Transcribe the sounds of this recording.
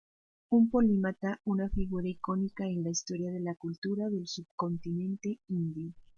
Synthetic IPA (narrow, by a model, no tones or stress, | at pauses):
umpo̞limat̪aunafiɣuɾaiko̞nikaenlaist̪o̞ɾjaðe̞lakult̪uɾaðe̞lsub̚ko̞nt̪inẽ̞nt̪e̞ind̪jo